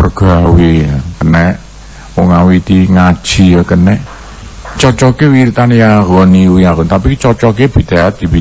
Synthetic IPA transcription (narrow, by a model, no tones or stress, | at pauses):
pərɡ̥awiakənɛʔ | wɔŋawit̪iŋad̥ʒ̥i̤akənɛʔ | t͡ʃɔt͡ʃɔkewiɾit̪anjaɡɔniwiaɡɔnt̪apit͡ʃɔt͡ʃɔkeb̥i̤d̪̥a̤at̪̚d̪̥i̤bi